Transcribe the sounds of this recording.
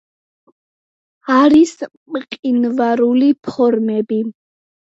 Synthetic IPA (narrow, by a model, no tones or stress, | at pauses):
aɾis | mqʼinvaɾulipʰɔɾmɛbi